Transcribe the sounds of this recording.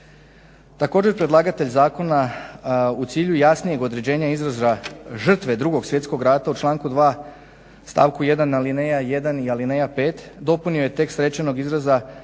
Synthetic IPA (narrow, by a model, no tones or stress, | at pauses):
t̪ako̞ːd͡ʒe̞ɾpɾed̪lˠaːɡat̪e̞ʎzaːko̞na | ut̪siːʎujasnije̞ɡo̞d̪ɾe̞d͡ʑe̞ːɲaizɾazaʒr̩t̪ʋe̞d̪ɾuɡo̞ɡsjet̪sko̞ɡɾaːt̪aut͡ʃlˠaːŋkud̪ʋaː | st̪a̰ːʋkuje̞d̪anːaline̞jaje̞d̪anialinejape̞ːt̪d̪o̞punio̞jet̪e̞kst̪ɾe̞t͡ɕeno̞ɡizɾaza